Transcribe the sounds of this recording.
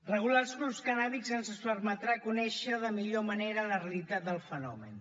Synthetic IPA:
rəɣularzɣɾupskənaβikzənzəspəɾmət̪ɾakunɛʃəðəmiʎoməneɾələreəlit̪at̪̚d̪əlˠfənɔ̰mə̰n

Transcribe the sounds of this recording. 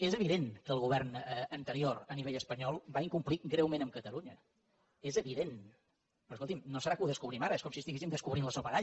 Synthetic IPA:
ezəβ̞iðenkəːlˠɣuβ̞ɛrnəənt̪əɾioɾəniβeʎəspəɲɔlˠbaiŋkumpliɡɾɛwmẽnəmkət̪əluɲə | ezəβiðen | ɾoskolˠt̪imnosəɾakəuwðəskuβɾimaɾəeskɔmsist̪iɣesimd̪əskuβɾinləsoəɾaʎ

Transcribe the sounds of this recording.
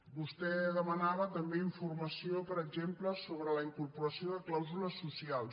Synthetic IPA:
bust̪ɛðəmənaβət̪əmbeiɱfurməsiopəɾəɡʒempləsoβɾələiŋkurpuɾəsioðəklawzuləsːusialˠ

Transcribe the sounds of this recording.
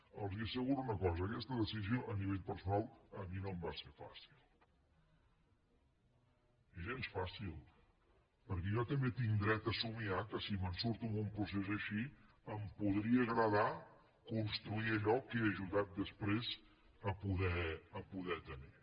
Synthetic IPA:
əlˠziəsəɣuɾunəkɔzəːkɛst̪əðəsizioʔəniβ̞eʎpəɾsunalˠəminombasefa̰silˠ | iʒensfasilˠ | pəɾkɛʒɔt̪əmbet̪iŋd̪ɾɛt̪əsumiakəsimənsuɾt̪umumpɾusezəʃi | əmpuðɾiəɣɾəð̞a | kunst̪ɾuiəʎɔkeəʒuðat̪̚d̪əspɾez | əpuðɛəpuðɛt̪əni

